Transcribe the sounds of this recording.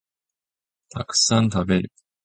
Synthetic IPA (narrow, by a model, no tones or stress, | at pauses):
t̪aksant̪abeɾʲjo